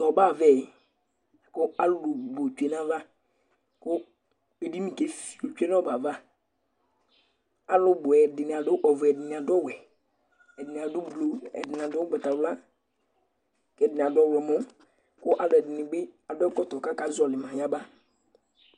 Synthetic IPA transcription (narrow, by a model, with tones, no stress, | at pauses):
tɔ˨ba˦˨vɛ˦˨ | kʊ˦a˦lʊ˦bʊ˨bo˨t͡ʃu˨e˨n˦a˦va˦ | kʊ˦ | be˨di˦mĩ˨ke˦fi˨o˨t͡ʃu˦e˦nɔ˦ba˨va˦ | a˦lʊ˦bʊ˨ɛ˨dɪ˨nɪ˨a˨dʊ˦ʔɔ˨vɛ˨dɪ˨nɪ̃˨a˨dɔ˦˨wɛ˨ | ɛ˨dɪ˨nɪ˨a˨dʊ˦blo˨ɛ̰˨dɪ˨n˨a˨dʊ˦ɡ͡bɛ˨ta˨wla˦ | kɛ˨dɪ˨n˨a˨dɔ˦˨wɛ˨mɔ˦ | kʊ˦ʔa˨lɛ˨dɪ˨nɪ˨bɪ˦a˨dɔ˦kɔ˦tɔ˨ka˦ka˨zɔ˨lɪ˨mã˨ja˦ba˦